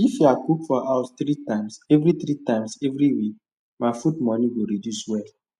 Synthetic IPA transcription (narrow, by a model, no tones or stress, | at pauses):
ifjakukfɔaʊst̪ɾitãɪ̃msɛvɾiθɾitãɪ̃msɛvɾiwik̚ | maɪfudmɔ̃niɡoɾidjuswɛ